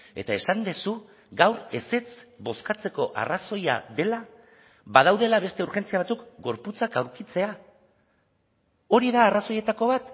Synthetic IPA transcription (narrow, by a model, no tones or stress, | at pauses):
e̞̰t̪aesand̪e̞su | ɡawɾe̞se̞t͡sbo̞skat͡se̞ko̞ʔa̰raso̞ja̰ðe̞la | βaðawðe̞laβe̞st̪e̞uɾʝe̞nt͡siaβat͡sukɡo̞ɾput͡sakawɾkit͡se̞a | o̞ɾiðaːraso̞je̞t̪ako̞βat̪